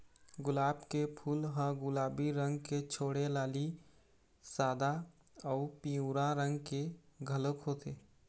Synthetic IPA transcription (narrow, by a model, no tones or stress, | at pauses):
ɡʊlaːbkepʰuːlɦãɡʊlaːbiɾə̃ŋɡket͡ʃʰoːɽelaːli | saːd̪a | ɔːʊpiũɾãɾə̃ŋɡkeɡʱələkɦoːt̪eː